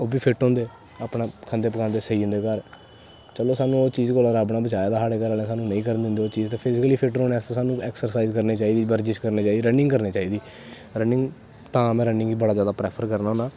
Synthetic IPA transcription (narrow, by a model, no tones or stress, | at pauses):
oːbiːpʰɪʈõːnd̪eː | aːpnaːkʰənd̪eːpəkãːnd̪eːsəiːʊ̃nd̪eːkəɾ | t͡ʃəloːsaːnũːoːt͡ʃiːzkoːlaːɾaːbnaːbət͡ʃaːjaːd̪aːsaːɽeːkəɾaːlẽːsaːnũːnəĩːkəɾnd̪ɪ̃nd̪eːoːt͡ʃiːzt̪ẽːpʰɪzɪkəliːpʰɪʈoːnaːst̪ãːsaːnũːɛːksəɾsaːizkəɾniːt͡ʃaːiːd̪iːbəɾd͡ʒɪt͡ʃkəɾneːt͡ʃaːiːd̪iːɾənɪ̃ŋɡkəɾneːt͡ʃaːiːd̪iː | ɾənɪ̃ŋɡ | t̪ãːmɛ̃ːɾənɪ̃ŋɡiːbəɽaːd͡ʒjaːd̪aːpɾɛːpʰəɾkəɾnaːɦõːnaː